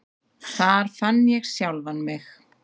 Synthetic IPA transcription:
θaɾ̥fanːjɛɣsjawlvanmɪx

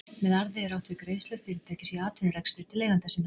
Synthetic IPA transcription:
mɛðaɾðɪɛɾawht̪vɪkɾeːjst̪lœɾfiɾɪ̥t̪ʰɛːcɪsiaːt̪ʰʏnʏɾɛkst̪ʏɾ̥t̪ʰɪleːjɣant̪asina

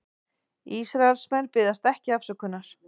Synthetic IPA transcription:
isɾaɛlsmɛnːpɪðast̪ɛhcɪafsœːkʏnːaɾ̥

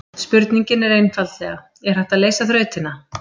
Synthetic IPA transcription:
spʏɾt̪niɲcɪnɛɾejnfalt̪lɛːɣa | ɛɾ̥ɛht̪aðleːjsaθɾœːɥt̪ɪna

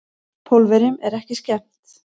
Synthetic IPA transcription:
pʰowlvɛɾɪmɛɾɛhcɪscɛm̥t̪

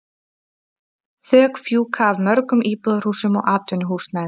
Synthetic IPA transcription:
θœːkfjuːkʰaːvmœɾkʏmʔiːpɔðɾ̥usʏmɔɣʔaːt̪ʏnʏɦuːsna

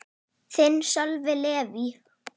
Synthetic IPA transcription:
θɪnsœlvɪleːvi

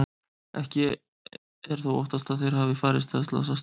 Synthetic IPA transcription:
ʔɛ̰hcɪ | ɛɾ̥θawɔ̰ht̪ast̪aðθejɾ̥haːvɪfaːɾɪst̪ast̪la̰sas

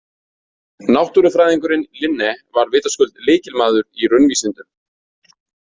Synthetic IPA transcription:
nawht̪uɾɪfɾaːjðiŋkʏɾɪnlɪnːɛvaɾvɪːt̪askʏlt̪leːjcɪlmaːðʏɾirʏnviːsɪnt̪ʏm

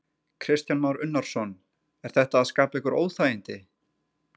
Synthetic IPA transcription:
kʰɾɪst̪janmawɾʏnːaɾ̥sɔn | ɛɾ̥θɛht̪aːðskaːpaɛhkʏɾo̰ːwθajɪnt̪ɪ

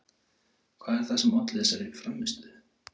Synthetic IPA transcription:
kʰvaːðɛɾ̥θasɛmɔt̪lɛsaɾɪfɾamːɪst̪ʏ

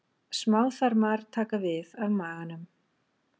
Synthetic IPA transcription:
smaːwθaɾmaɾ̥t̪ʰaːkavɪðavmaːɣanʏm

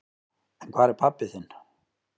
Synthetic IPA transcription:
ɛnkʰv̥aːɾɛɾpʰapːɪθɪnː

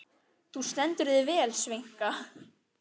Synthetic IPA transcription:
θust̪ɛnt̪ʏɾðɪvɛːlsvejŋ̥ka

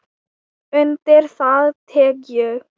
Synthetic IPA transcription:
ʏnt̪ɪɾ̥θaðt̪ʰɛːkjʏ

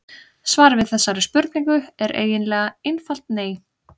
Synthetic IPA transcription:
svaːɾvɪðθɛsːaɾɪspʏɾt̪̚niŋkʏɛɾʔḛːjɪnlɛːɣaejnfal̥t̪neːj

